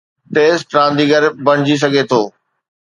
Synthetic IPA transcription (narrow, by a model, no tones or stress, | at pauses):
ʈeːsʈɾãːnd̪iɡəɾbɐɽ̃ɪd͡ʑis̬ɐɡʱet̪ʰoː